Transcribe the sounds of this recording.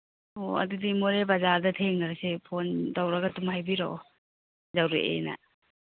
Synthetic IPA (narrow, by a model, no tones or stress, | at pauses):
oa̰dudimoɾebazadɐtʰeŋnaɾasepʰondawɾaɡatumhajbiɾa̰ | zawɾeʔḛna̰